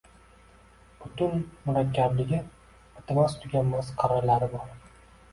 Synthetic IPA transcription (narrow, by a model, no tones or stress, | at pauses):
b̥ʊt̪ʊnmʊɾakʲːablɪɡʲɪ | ʊt̪ʰɪmast̪ʰʊɡʲamːasqʰɑɾɑɾlaɾɪbɒɾ